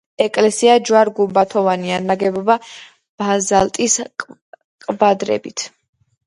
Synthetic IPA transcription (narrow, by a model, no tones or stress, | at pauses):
ɛkʼlɛsiad͡ʒwaɾɡumbat̪ʰɔvanianaɡɛbɔba | b̥azalt̪ʼis | qʼbad̪ɾɛ̰bit̪ʰ